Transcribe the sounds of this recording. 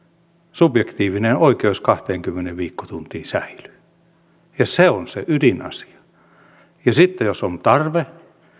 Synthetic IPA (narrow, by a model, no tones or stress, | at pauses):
sub̥jekt̪iːʋinenoikeuskɑht̪eːŋkymːeneʋʋiːkːo̥t̪unt̪iːsæily̥ː | jɑseonsḛʔydinɑ̰si̥ɑ̥ | jɑsit̪ːejosont̪ɑrʋe